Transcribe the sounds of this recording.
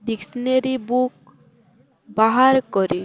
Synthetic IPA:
d̪iksneɾibuk̚ | baɦaɾkɔɾi

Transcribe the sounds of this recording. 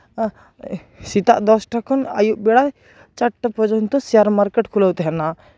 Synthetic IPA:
sit̪a̰ʔd̪ɔsʈakʰɔna̰juʔbɛɽa | t͡ʃaʈʈapɔd͡ʒɔnt̪ɔsɛjaɾmaɾkɛʈkʰulawt̪ɛɦɛna

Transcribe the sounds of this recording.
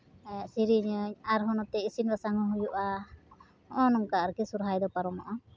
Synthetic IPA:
ɛsiɾiɲɔɲaɾɦɔnɔt̪ɛisinɾasaŋɔɦujuʔa | ɔʔɔnɔŋkaːɾkisuɾɦajd̪ɔpaɾɔmɔʔɔ

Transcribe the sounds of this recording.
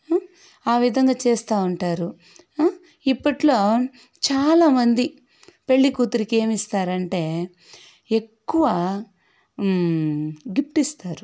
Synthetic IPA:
aːʋid̪ʱɐŋɡaːt͡ʃeːst̪aːuɳʈaːɾu | ipːɐʈlo̞ː | t͡ʃaːlaːmɐnd̪i | pe̞ɭːikuːt̪uɾike̞ːmist̪aːɾɐɳʈe̞ː | ekːuʋaː | ɡip̚ʈist̪aːɾu

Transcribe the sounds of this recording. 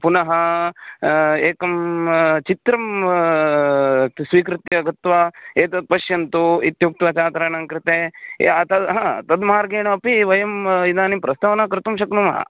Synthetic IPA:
punɐɦɐ | eːkɐmt͡ʃit̪ɾɐm | sʋiːkɾɪt̪ɐɡɐt̪ʋaeːt̪ɐd̪̚pɐʃjɐnt̪uit̪juk̚t̪ʋɐt͡ʃaːt̪ɾaːɳɐŋkɾɪt̪eːḛɐt̪ɐd̪ɦɐt̪ɐd̪maːɾɡeːɳɐɐpiʋɐjɐmid̪aːnipɾɐst̪ɐʋɐnaːkɾɪt̪umʃɐknumɐ̰ɦɐ̰

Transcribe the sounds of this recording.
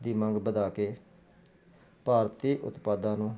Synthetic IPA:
d̪iːməŋɡbəd̪aːkeː | paːɾt̪iːʔʊ̰t̪paːd̪ãːnũː

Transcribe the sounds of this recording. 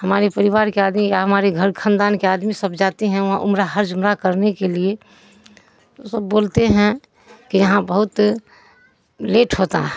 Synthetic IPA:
həmaːɾepəɾɪʋaːɾkeaːd̪mijaɦɐmaːɾeɡʱəɾkʰə̃nd̪aːnkeaːd̪misəbd͡ʒaːt̪eɦɛ̃ʋɐɦã̰ʔʊmɾaɦəɾd͡ʒʊmɾakəɾnekelie | t̪osəbːoːlt̪eɦɛ̃ | kijɐɦãbɐɦʊt̪ | leːʈɦoːt̪a̰ɦɛ̃

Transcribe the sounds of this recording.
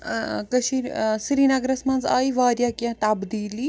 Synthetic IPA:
kɐʃisɾiːnaɡɾɐsmɐ̃nza̰ːiʋaːɾjakjãt̪abd̪iːli

